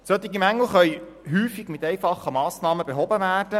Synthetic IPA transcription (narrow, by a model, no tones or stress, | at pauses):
søt̪iɡimæŋl̩χœʏ | ɦyːfiɡ̥mɪtɛjfɑχːəmɑːsnɑːməbeɦɔbəvæːrd̥ə